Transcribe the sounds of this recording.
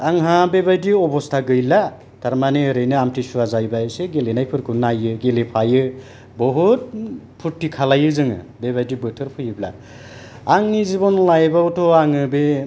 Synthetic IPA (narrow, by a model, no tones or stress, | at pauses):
aŋɦãbebajdiɔbɔstʰaɡɯjla | tʰaɾmaneɯɾɯjnɯamtʰisuazajbaeseɡelenajpʰɯɾkʰunajɯɡelepʰajɯ | bɔɦut̚ | pʰutːikʰalajɯzɯŋɯ̰bebajdibɯtʰɯɾpʰɯjɯbla̰ | aŋnizibɔnlajbawtʰɔaŋɯbe